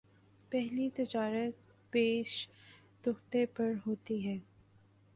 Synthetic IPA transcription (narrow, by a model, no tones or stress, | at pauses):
pɛɦlit̪ɪd͡ʒaːɾət̪̚ | peːʃ | d̪ʊxt̪epɐɾɦoːt̪iɦɛː